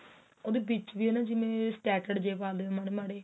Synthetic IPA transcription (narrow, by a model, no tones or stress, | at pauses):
oːd̪eːbit͡ʃʋiːɦɛːnãːd͡ʒɪmẽːsʈɛːʈəɖd͡ʒeːpaːld̪eːãːmaːɽeːmaːɽeː